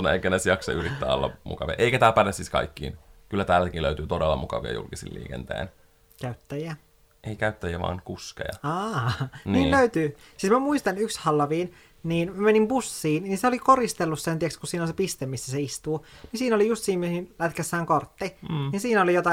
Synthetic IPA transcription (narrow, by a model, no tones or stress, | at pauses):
unːekːænesjɑksɑ̰ʔyrit̪ːæ̰ːolːɑ̰mṵkɑʋiɑ̰ʔeikæt̪æːlpælesiskɑ̰ikːḭːnkylːæt̪æːlːækiløyt̪yːt̪odelːɑmukɑʋḭɑ̰jṵlkisḭlḭːkḛnt̪ḛin | kæyt̪ːæjiæ | ʔeikæyt̪ːæjiæʋɑ̰ːŋkuskḛjɑɑːniːløyt̪yː | siːsmæmuist̪ɑnykshɑlːɑʋiːn | niːnmæmenimpusːiːnninseolikorist̪elːussent̪iɛkskusiːnonsepist̪emisːæseist̪uːninsiːnolijust̪siːmmihinlæt̪kæsːæːŋkort̪ːininsiːnolijot̪ɑ